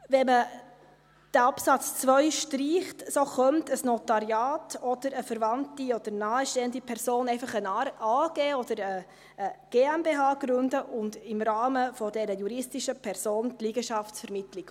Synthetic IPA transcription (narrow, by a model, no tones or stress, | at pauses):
vɛmə | d̥ɛɑpsɑt͡st͡svœʏʃtriːχtsoχœmtəsnɔtɑɾjɑːtɔd̥̪əɾəfɛɾvɑntiɔd̥əɾnɑːəʃtɛːəndipʰɛɾsoːnɛɪfɑχənɑːɡ̥eːɔd̥əɾəː | ɡ̥eːæmbeːɦɑːɡ̥ɾʉndəʔʊndɪmɾɑːməfɔdɛɾəjuɾɪstiʃəpʰɛɾsoːntliːɡ̥əʃɑftsfɛɾmɪtlik